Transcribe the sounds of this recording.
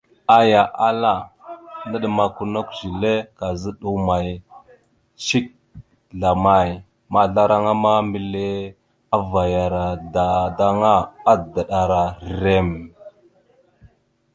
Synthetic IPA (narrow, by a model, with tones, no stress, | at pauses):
a˨ja˨ʔa˦la˦˨nə˦ɗə˨ma˨ku˨na˦kzi˨le˦ka˨zə˦ɗu˦ma˨j | t͡ʃi˦k̚ | ɮa˨ma˦˨j | ma˨ɮa˦ɾa˦ŋa˦ma˦mbi˨le˦ | a˦va˨ja˨ɾa˨da˨da˦ŋaː˦˨da˨ɗa˨ɾa˨ɾɾe˦˨m